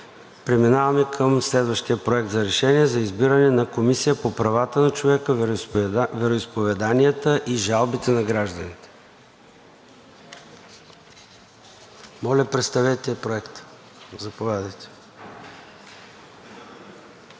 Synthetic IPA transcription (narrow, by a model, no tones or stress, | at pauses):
pɾɛminavɐmɛkʰəmslɛd̪vəʃt̪iəpɾoɛk̚t̪zɐɾɛʃɛniɛzɐizbiɾɐnɛnɐkomisijəpopɾɐvat̪ənɐt͡ʃovɛkə | vɛɾoispovɛd̪aniət̪əʔiʒalˠbit̪ɛnɐɡɾaʒd̪ənit̪ɛ̥ | mɔlʲəpɾɛt̪st̪ɐvɛt̪ɛpɾoɛkt̪ | zɐpovʲjad̪əjt̪ɛ̥